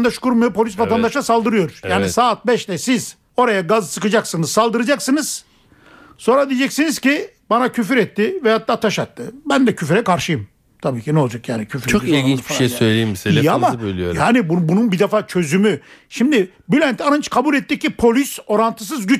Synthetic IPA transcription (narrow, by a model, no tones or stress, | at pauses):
nd̪aʃkuɾmajopʰo̞lʲisvat̪ʰand̪aʃlˠasalˠd̪ɯɾɯjo̞ɾ̥jaːnisaːt̪̚bɛʃlɛsiz | o̞ɾajaɡazsɯkɯd͡ʒaksɯnɯzsalˠd̪ɯɾɯd͡ʒaksɯnɯz̥ | so̞nɾad̪ijd͡ʒɛcsinizci | banacʰyf̬yɾɛt̪ːɪvɛhat̪ːaːt̪ʰaʃat̪ːɯbænd̪ɛcʰyfɾɛkʰaɾʃɯjɯm | t̪ʰabiːcʰinɛo̞lˠd͡ʒakjaːnicʰyfɾt͡ʃʰoilɡinbiʃejsøjlʲeimbisiamabølʲijo̰jaːnibubununbid̪ɛfaːt͡ʃʰø̞zymyʃimd̪ɪ | bylʲænt̪ʰanant͡ʃkʰabuːlʲɛt̪ːic̚ːipʰo̞lʲyso̞ɾant̪ʰɯs̬ɯzɟyt͡ʃ